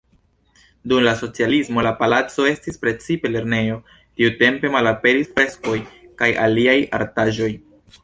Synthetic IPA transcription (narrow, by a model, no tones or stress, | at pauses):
dumlaso̞t͡sialismo̞lapalat͡so̞e̞stispɾe̞t͡sipe̞le̞ɾne̞jo̞ | tiute̞mpe̞malape̞ɾisfɾe̞sko̞jkaja̰liaja̰ɾtaʒo̞j